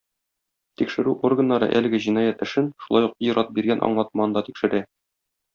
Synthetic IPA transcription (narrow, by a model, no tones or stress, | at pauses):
t̪ikʃɘ̆ɾʉʔorɡɤ̆nːɑɾɤ̰ʔælɘ̆ɡɘʑinɑjæt̪ɘ̆ʃɘnʃulˠɑjuq̚ijɾɑt̪̚biɾɡænʔɒ̰ɴlˠɑt̪̚mɑnd̪ɑt̪ikʃɘ̆ɾæ